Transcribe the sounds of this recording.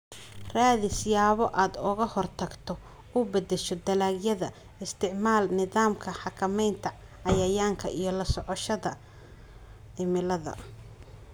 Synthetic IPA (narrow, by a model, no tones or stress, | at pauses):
raːðɪsɪjaːβɔʔaːd̪ɔɣɐhɔrt̪ʰɐɡt̪ʰɔ | ʊbɐd̪ɛʃɔd̪ɐlaːɡjɐðɐ | ɪst̪ʰɪʕmaːlnɪðaːmkʰɐħɑkʰɐmɛjnt̪ʰɐ | ʕɑjɐjaːŋkʰɐ̰ʔijɞlɐsɔʕɔʃɐðɐ | ɪmɪlɐðɐ̰